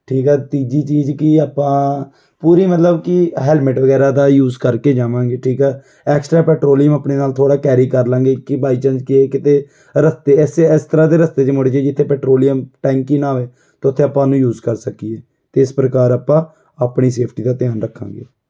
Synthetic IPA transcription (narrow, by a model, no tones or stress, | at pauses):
ʈʰiːkɛːt̪iːd͡ʒiːt͡ʃiːzkɪaːpãː | puːɾiːmət̪ləbkɪɦɛːlmɪʈʋəɡɛːɾaːd̪aːjuːzkəɾkeːd͡ʒaːʋãːŋɡeːʈʰiːkɛː | ɛːksʈɾaːpɛːʈɾoːlɪjəmaːpɳeːnaːlt̪ʰoːɽaːkɛːɾiːkəɾlãːŋɡeːkɪbaːiːt͡ʃə̃nd͡ʒkɪekɪt̪eː | ɾəst̪eːsɪst̪əɾãːd̪eːɾəst̪eːt͡ʃːmoːɽeːd͡ʒeːd͡ʒɪt̪ʰːeːpɛːʈɾoːlɪjəmʈɛ̃ːŋkiːnaːʋeː | t̪aːʊt̪ʰːeːaːpãːnũːjuːzkəɾsəkieː | t̪eːɪspɾəkaːɾaːpãː | apɳiːseːpʰʈiːd̪aːt̪ɪjaːnɾəkʰːã̰ːŋɡḛː